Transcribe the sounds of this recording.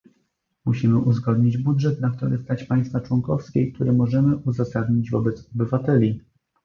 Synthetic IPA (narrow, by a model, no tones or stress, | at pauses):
muɕimɘʔuzɡɔd̪ɲid͡ʑbudʐɛt̪nakt̪ɔɾɘst̪at͡ɕpaj̃st̪fat͡ʂwɔŋkɔfskʲeik̚t̪uɾɘmɔʐɛmɘʔuzasad̪ɲid͡ʑvɔbɛt̪sɔbɘvat̪ɛlʲi